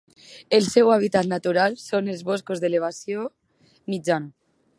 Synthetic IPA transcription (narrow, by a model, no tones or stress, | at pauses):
elsewaβ̞it̪at̪nat̪uɾalsonelzβoskozðeleβ̞asjo | mid͡ʒanu